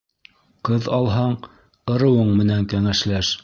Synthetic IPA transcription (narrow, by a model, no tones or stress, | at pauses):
qɤðɑlˠɦɑɴ | ɤ̆ɾɤ̆wɤɴmɘ̆næŋkæŋæʃlæʃ